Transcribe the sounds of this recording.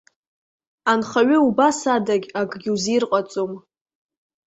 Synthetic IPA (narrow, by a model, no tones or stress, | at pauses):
anχaɥɪubasadaɡʲakʼɡʲɪuzirqʼat͡sʼom